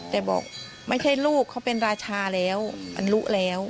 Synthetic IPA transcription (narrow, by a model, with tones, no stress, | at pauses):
t̪ɛː˨˩bɔ̰ː˨˩k̚ | ma˥˩jt͡ɕʰa˥˩jluː˥˩kʰːa˦˥wpe˧nɾaː˧t͡ɕʰaː˧lɛː˦˥wʔa̰˧nlu˦˥ʔlɛː˦˥w